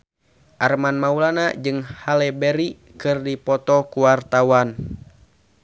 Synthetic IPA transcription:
ʔarmanmaulanad͡ʒɨŋhalɛbɛɾi | kɨrdipɔt̪ɔkuwart̪awan

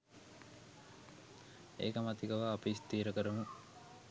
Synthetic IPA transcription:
ḛːkəmat̪ikəʋaːpist̪iːɾəkəɾumu

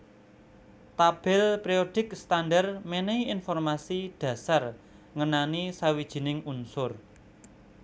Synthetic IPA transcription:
t̪ab̥ɪlpɾioɖ̥ɪ̤kst̪andarmeneiinfɔrmasiɖ̥ä̤sar | ŋənanisawid̥ʒ̥i̤nɪŋunsʊr

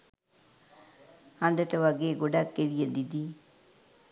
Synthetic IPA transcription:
hɐnd̪ɐʈɐʋɐɡeːɡoɖakːeɾijɐd̪id̪i

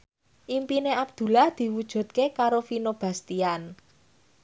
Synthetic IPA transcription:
ʔimpineab̥̚d̪̥ṳlahd̪̥i̤wud̥ʒ̥ṳd̪̚kekaɾofinob̥a̤st̪ian

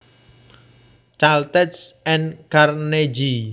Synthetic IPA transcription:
t͡ʃalt̪ɛtsɛnkarned͡ʒi

